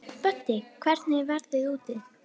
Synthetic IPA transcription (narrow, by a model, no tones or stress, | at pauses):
pœt̪ːɪkʰvɛɾt̪nɪvɛɾðɪðuːt̪ɪð